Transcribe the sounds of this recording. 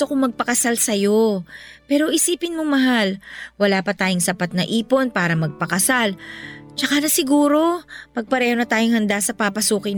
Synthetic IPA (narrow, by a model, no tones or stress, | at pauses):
t̪okomɐɡ̚pɐkɐsalsɐjo̞pɛːɾo̞ʔɪsiːpɪnmomɐɦalwɐlaːpɐt̪aːjoŋsɐpat̪̚nɐʔiːpo̞npaːɾɐmɐɡ̚pɐkɐsalt͡ʃɐkanɐsɪɡuːɾo̞pɐɡ̚pɐɾɛːho̞nɐt̪aːjoŋhɐnd̪asɐpapɐsuːkɪ